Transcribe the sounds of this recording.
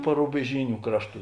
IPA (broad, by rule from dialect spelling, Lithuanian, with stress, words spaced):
pɐrʊbʲɛˈʒʲiːnʲʊ ˈkrɑːʃˌtuː